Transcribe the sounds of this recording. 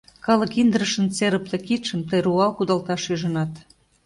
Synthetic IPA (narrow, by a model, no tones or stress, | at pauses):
kɑlɤkind̪əɾəʃə̆nt͡seɾəplĕkit̪ʃəmt̪əjɾuɑlkud̪ɑlt̪ɑʃyʒə̆nɑt̪